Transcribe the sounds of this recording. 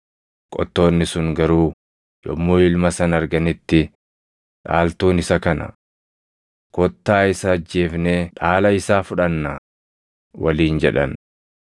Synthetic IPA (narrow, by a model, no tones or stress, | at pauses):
kʼɔ̰t̪ːo̞ːnːɪsʊŋɡɐɾuː | jɔ̰mːoːɪlmɐsɐnɐɾɡɐnɪt̪ːɪ | ᶑa̰ːlt̪uːnɪsɐkɐnɐ̰ | kɔt̪ːaːɪsɐːd͡ʒːe̞ːfneːᶑaːlɐɪsaːfʊᶑɐnːa | wɐliːnd͡ʒɛᶑɐ̰n